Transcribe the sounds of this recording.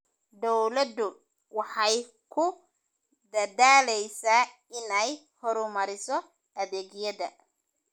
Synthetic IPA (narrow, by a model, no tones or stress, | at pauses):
d̪ɔwlɐd̪ʊ | wɑħɑj | kʰʊ | d̪ɐd̪aːlɛjsaː | ɪnɛj | hɔɾʊmɐɾɪsɔ | ʔɐðeːɡjɐdɐ